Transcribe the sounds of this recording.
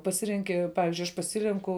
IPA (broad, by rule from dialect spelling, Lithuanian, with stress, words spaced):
pɐˈsʲɪrʲɛŋʲkʲɪ ˈpɑːʋʲɪzʲd͡ʒʲʊɪ ɐʃ pɐˈsʲɪrʲɛŋkʊ